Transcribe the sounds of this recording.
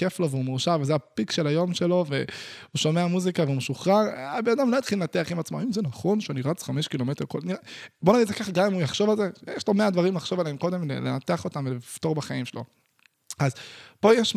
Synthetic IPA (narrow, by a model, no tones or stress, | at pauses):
eflo̞veumeʁʃavezeapikʃe̞lajo̞mʃe̞lo̞veuʃo̞meamuzikaveumeʃuχʁaʁabenad̪amlo̞jat̪χilenat̪eaχimat͡smoimzenaχo̞nʃeuniʁat͡sχameʃkilo̞met̪eʁkolniʁebo̞naɡid̪zekaχaɡamimujaχʃo̞valzejeʃlomead̪vaʁimlaχʃo̞valeemko̞d̪emlḛlenat̪eaχo̞t̪amvelift̪o̞ʁbaχaimʃelo̞̰ | azpo̞jeʃ